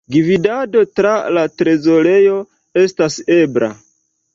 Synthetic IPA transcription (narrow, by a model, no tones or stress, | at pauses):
ɡividado̞tɾalatɾe̞zo̞ɾe̞jo̞ | e̞stase̞bɾa̰